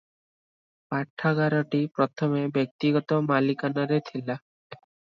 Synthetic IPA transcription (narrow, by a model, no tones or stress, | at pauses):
paʈʰːaɡaɾɔʈipɾɔt̪ʰɔmebjɔk̚t̪iɡɔt̪ɔmalikanaɾet̪ʰila